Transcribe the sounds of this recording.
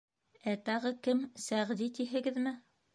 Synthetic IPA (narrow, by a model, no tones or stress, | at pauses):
æt̪ɑʁɤkɘmsæʁd̪it̪iɦɘ̆ɡɘðmɘ